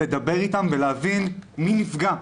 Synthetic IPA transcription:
ed̪abe̞ʁitamveleavinminifɡa

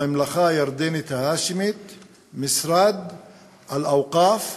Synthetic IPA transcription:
ɪmlaxaːjɑɾˤd̪eːnɪt̪haːʃɪmɪt̪ | mɪsɾˤaːd̪ | ʔalʔawqɑːf

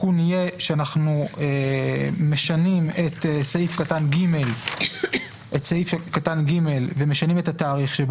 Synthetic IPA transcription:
unijeʃeanaχnue | meʃanimet̪esaifkatanɡimel | ʔetsaifʃkatanɡime̞lve̞meʃanimethataːʁiχʃeb

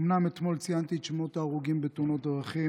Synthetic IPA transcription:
mname̞t̪mo̞lt͡sijant̪it̪ʃmot̪aːʁuɡimbet̪uno̞t̪̚dʁaχi

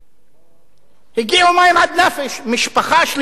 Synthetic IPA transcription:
hiɡiumaimʕad̪nafeʃmiʃpaχaʃl

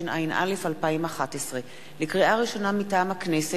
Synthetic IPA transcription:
inʔa̰jnʔa̰le̞falpaimaχatesʁe | lekʁiʔaʁiʃo̞namitaːmhaknese

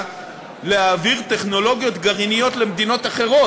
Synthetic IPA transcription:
leaːviʁte̞χno̞lo̞ɡijo̞t̪ɡaʁinijo̞t̪le̞md̪ino̞t̪aχe̞ʁo̞

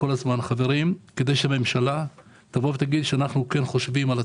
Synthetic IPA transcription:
o̞lazmanχave̞ʁimke̞d̪e̞jʃeame̞mʃala | t̪avovet̪aɡid̪ʃeanaχnuke̞nχo̞ʃvimala

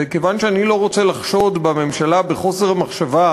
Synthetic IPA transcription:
ekevanʃeanilo̞ʁo̞t͡selaχʃo̞d̪bame̞mʃalabeχo̞se̞ʁmaχʃava

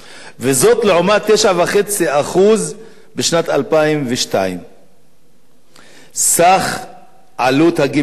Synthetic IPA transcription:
vezo̞t̪leʕomat̪eʃavaχet͡siaχuz | beʃnat̪alpaimveʃta̰im | saχ | ʕalut̪haɡi

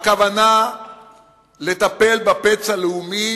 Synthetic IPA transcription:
kavana | le̞t̪ape̞lbapet͡saleumi

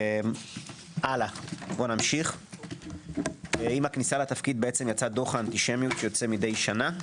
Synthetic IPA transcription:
m | ʔalabo̞namʃiχ | imaknisalat̪afkid̪beet͡se̞mjat͡sad̪o̞χaːnt̪iʃe̞mjut̪jot͡se̞mid̪e̞jʃana

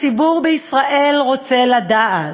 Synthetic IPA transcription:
t͡sibuʁbeisʁaʔe̞lʁo̞t͡se̞lad̪aa

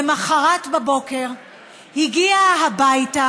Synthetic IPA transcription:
maχaʁatbabo̞ke̞ʁ | hiɡiaɦabajta

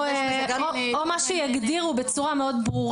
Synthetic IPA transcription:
ɡaomaʃujaɡd̪iʁubet͡suʁameo̞d̪bʁuʁ

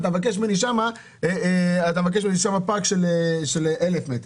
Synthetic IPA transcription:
t̪amvak̬eʃmeniʃama | eat̪amvak̬eʃminiʃamapakʃeleʃeleʔelefmet̪ʁ

